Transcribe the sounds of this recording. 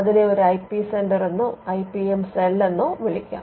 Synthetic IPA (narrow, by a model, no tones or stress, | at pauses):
ɐðineoɾuɐjpːiseɳɖɐrenːuɐjpiemselːenːuʋiɭikʲːa̰ː